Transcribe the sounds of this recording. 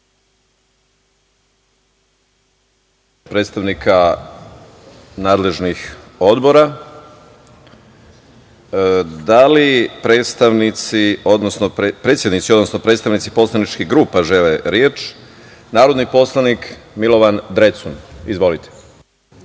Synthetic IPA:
pɾet̪st̪aʋnikʰa | naːd̪le̞ʒnix | o̞d̪bo̞ɾa | d̪alipɾe̞ːt̪st̪aʋnit̪sio̞d̪nosnopɾet̪sjed̪nit̪siod̪no̞sno̞pɾet̪st̪aʋnit̪si̥po̞slˠanit͡ʃkiɦɡɾuːpaʒeleɾjeːt͡ʃ | naːɾod̪nipo̞slˠanikmilo̞ʋand̪ɾe̞t̪sunizʋo̞lit̪ʰe̥

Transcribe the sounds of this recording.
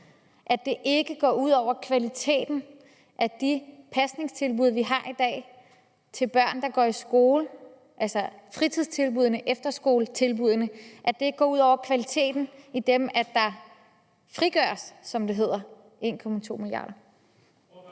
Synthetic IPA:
ʔæd̥e̝ʔe̝ɡ̥əɡ̥ɒ̰ːuð̞̰ˠɒʊ̰ɐkʰʋælit͡sʰe̝̰ːd̥n̩ | ʔæd̥ipʰæsne̝ŋst͡sʰe̝lb̥uð̞ˠʋiɦɑ̈ʔid̥ɛ̰ː | t͡sʰe̝lb̥ɶɐ̰nd̥ɑ̈ɡ̥ɒ̰ːisɡ̥o̝ːlə | ʔælsɐfʁit͡sʰið̞̰ˠt͡sʰe̝lb̥uð̞ˠnəʔefd̥ɐsɡ̥o̝ːlət͡sʰe̝lb̥uðˠənəʔæd̥e̝e̝ɡ̥əɡɒ̰ːuðˠɒʊ̰ɐkʰʋælit͡sʰe̝̰ːd̥n̩id̥emæd̥ɑ̈ | fʁiɡ̥ɶɐsːɒ̽md̥e̝ɦe̝ð̞̰ˠɐ | ʔe̝̰ːnkʰɒ̽mæt͡sʰo̝̰ːmiliɑ̈ːɾ̥ɐ

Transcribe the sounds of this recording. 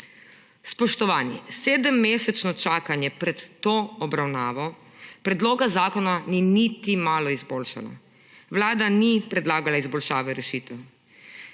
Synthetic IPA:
spɔʃt̪ɔʋaːnjɛ̰seːd̪əmːeːsɛt͡ʃnɔt͡ʃaːkanjɛpɾɛt̪ːoːɔbɾawnaːʋɔ | pɾɛd̪loːɡazaːkɔnaninit̪imaːlɔizboːlʃa̰la̰ | wlaːd̪anipɾɛd̪laːɡalaizbɔlʃaːʋɛɾɛʃiːt̪ɛw

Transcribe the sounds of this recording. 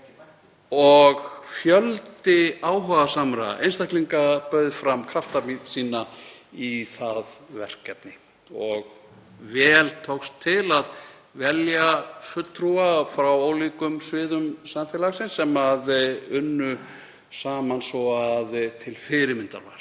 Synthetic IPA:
ɔɣfjœlt̪ɪaːwɦœɣasamɾa̰ʔḛjnst̪ahkliŋkapœɥðfɾamkʰɾaft̪amit̪siːna | iθaðvɛr̥kːɛp̚nɪ | ɔɣ | vɛːlt̪ʰowxst̪ʰːɪlað | vɛljafʏt̪t̪ʰːɾuafɾawoːwlikʏmsvɪːðʏmsamfjɛlaɣsɪnsːɛmaðʏnːʏ | saːmansvɔaðt̪ʰɪlfɪɾɪɾmɪnt̪a̰ɾva̰ɾ̥

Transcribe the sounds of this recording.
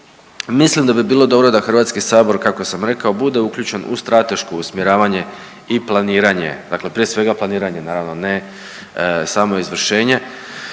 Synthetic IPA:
mislimd̪abibiːlˠo̞d̪o̞bɾo̞d̪axr̩ʋaːt̪skisaːbo̞ɾkakosamɾe̞kao̞bud̪e̞ukʎuːt͡ɕe̞nṵst̪ɾat̪e̞ʃko̞usmjeɾaːʋaɲe̞ | iplˠaniːɾaɲe̞̰d̪akle̞pɾije̞sʋe̞ɡaplaniːɾaɲe̞naːɾaʋno̞ne | saːmo̞izʋr̩ʃe̞ːɲe̞

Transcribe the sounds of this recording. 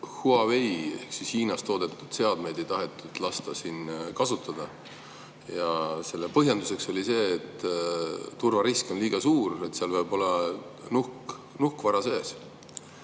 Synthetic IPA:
huɑvejehksishiːnɑst̪o̞ːd̪̥e̞t̪ːˑud̪̥se̞ɑd̪̥me̞jd̪ejt̪ɑɦe̞t̪ːˑud̪̥lɑst̪ɑsinkɑsut̪ˑːɑd̪̥ɑ | jɑse̞lːepɤɦjɑnd̪use̞kso̞lʲise̞ːt̪ː | urvɑɾisko̞nliːɡ̥ɑsuːɾe̞t̪seɑlvɤjbo̞lɑnuhk | nuhkvɑɾɑse̞ːs

